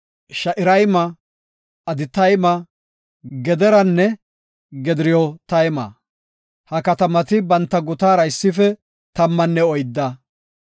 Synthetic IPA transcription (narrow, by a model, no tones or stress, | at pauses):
ʃɐʔɪɾɐjmɐː | d̪ɪt̪ɐjmɐ | ɡɛd̪ɛɾɐnːɛ | ɡɛd̪ɪɾɪjɔt̪ɐjmɐ̰ | hɐkɐt̪ɐmɐt̪ɪbɐnt̪ːɐɡʊt̪aːɾɐɪsːɪfɛ | t̪ɐmːɐnːɛɔjd̪ːɐ